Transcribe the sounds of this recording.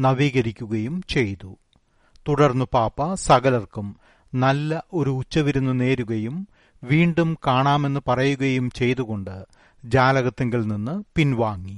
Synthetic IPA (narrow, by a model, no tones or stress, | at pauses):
nɐʋiːɣɐɾikʲːuɣɐjumt͡ɕe̞jt̪u | t̪uɽɐrnːupaːpːɐsɐɣɐlɐrkum | nɐlːɐʔo̞ɾuːt͡ɕːɐʋiɾunːɨne̞ːɾuɣɐjum | ʋiːɳɖumkaːɳaːme̞nːɨpɐrɐjuɣɐjumt͡ɕe̞jt̪uɣo̞ɳɖɨ | d͡ʑaːlɐɣɐt̪ːɐŋɡiɭninːɨpinʋaːŋːi